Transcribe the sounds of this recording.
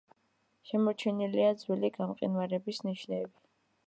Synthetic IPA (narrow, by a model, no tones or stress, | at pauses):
ʃɛmɔt͡ʃʰɛniliad̪zwiliɡamqʼḭnwaɾɛbisniʃnɛːbi